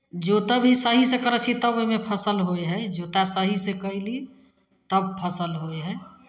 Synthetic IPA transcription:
d͡ʒot̪əbʱisəɦisekəɾət͡ʃʰit̪əboimepʰəsəlɦojɦɛd͡ʒot̪asəɦisekəɦli | t̪əb̚pʰəsəlɦojɦɛ

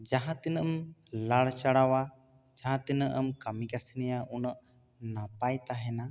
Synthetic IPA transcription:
d͡ʒaɦãt̪inəʔəmlaɽt͡ʃaɽawa | d͡ʒaɦãt̪inəʔəmkamikasinɛjaʔunəʔ | napajt̪aɦɛna

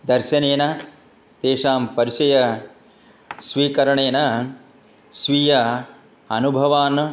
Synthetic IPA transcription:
d̪ɐɾʃɐneːnɐ | t̪eːʂaːmpɐɾiʃɐjɐ | sʋiːkɐɾɐɳeːnɐ | sʋijɐ | ɐnubʱɐʋaːn

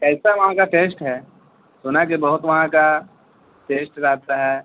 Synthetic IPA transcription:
kɛːsaʋɐɦãkaʈeːsʈɦɛː | soːnak̬ebɐɦʊt̪ʋɐɦãka | ʈeːsʈɾaɦt̪aɦɛː

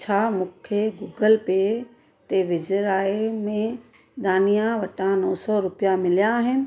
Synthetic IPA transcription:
t͡ɕʰaːmũːkʰeɡuːɡəlpe | t̪eʋɪd͡ʑəɾaːemẽ | d̪aːnijãʋɐʈãnɔːsɔɾʊpijamɪlijãːɦɪnɪ̆

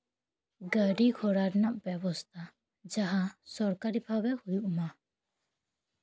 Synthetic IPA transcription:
ɡəɖikʰɔɽaɾnaʔbɛbɔst̪ʰa | d͡ʒaɦasɔɾkaɾibʰʱabɛhujuʔma

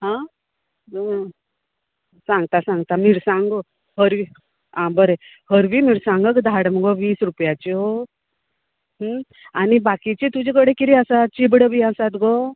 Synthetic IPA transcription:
ɦã | sãŋɡt̪asãŋɡt̪amiɾsãŋɡo | həɾʋi | ãbəɾe | həɾʋimiɾsãŋɡəkd̪ʱaɽməɡɔʋiːsɾupjat͡ɕeɦo | ɦ | añibakit͡ɕet̪ud͡ʑekəɽekiɾiəsat͡ɕibɽəʋiasat̪ɡɔ

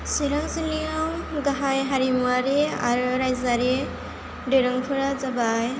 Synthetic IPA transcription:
siɾaŋsiliawɡaɦajɦaɾimuaɾea̰ɾɯɾajzaɾe | dɯɾaŋpʰɯɾazabaj

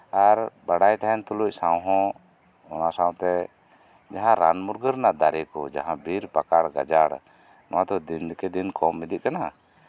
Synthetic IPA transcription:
aɾbaɽajt̪aɦɛnt̪ɔluc̚ˀsawɦɔ̃ | nɔnasãw̃t̪ɛ | d͡ʒaɦãɾa̰nmuɾɡəɾnad̪aɾɛkɔd͡ʒaɦãbiɾpakaɽɡa̰d͡ʒaɽ | nɔwat̪ɔd̪ind̪kɛd̪inkɔmːid̪iʔ̚kana

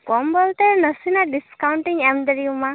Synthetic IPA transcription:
kɔmbɔlt̪ɛnəsinaɖiskawuɳʈiŋɛmd̪əɾiuma

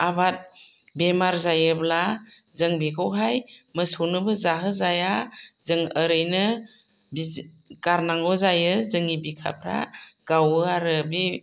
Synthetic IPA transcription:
abat̚ | bemaɾzajɯblazɯŋbekʰɔwɦajmɯsonɯbɯzaɦɯzajazɯŋəɾɯjnɯ | bi | ɡ̥aɾnaŋɡɔzajɯzɯŋibikʰa̰p̚ʰɾa̰ɡ̥awɯaɾɯbe

